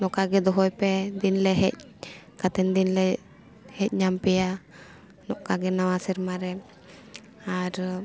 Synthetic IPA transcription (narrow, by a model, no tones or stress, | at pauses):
nɔʔkaɡɛd̪ɔɦɔjpɛd̪inlɛɦɛc̚ | kat̪ɛnd̪inlɛ | hɛc̚ɲampɛja | nɔʔkaɡɛnawasɛɾmaɾɛ | aɾ